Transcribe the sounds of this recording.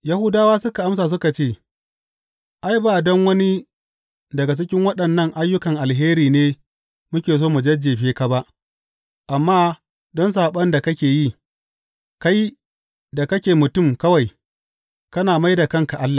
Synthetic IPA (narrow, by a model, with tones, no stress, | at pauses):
ja˦hʊ˦daː˦waː˦sʊ˦ka˨ʔa˦msaː˨s̬ʊ˦ka˨t͡ʃeː˦˨ | ʔa˦jba˨dɔ˦ŋwɐ˦ni˦ | dɐ˨ɡa˨t͡ʃɪ˦kʲɪ˦ŋwɐ˦ɗɐ˨nːɐ˦ŋʔa˦jːʊ˦kɐ˨ŋʔa˨lɦeː˦ɾiː˨neː˦ | mʊ˦kʲeː˨s̬oː˦mu˨d͡ʒɐ˦d͡ʒeː˨ɸeː˦ka˨ba˦ʔ | ʔa˨mːaː˦ | dɔ˦ns̬aː˨ɓɐ˦nda˨kɐ˦kʲeː˨ji˦ | ka˦j | da˨kɐ˦kʲeː˨mʊ˨tʊ˦˨mkɐ˦wa˨j | kɐ˦naː˨ma˦jda˨kɐ˦ŋka˨ʔa˦lːa˨